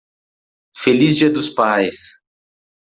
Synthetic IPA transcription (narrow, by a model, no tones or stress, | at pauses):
felizd͡ʒiɐd̪ʊspajs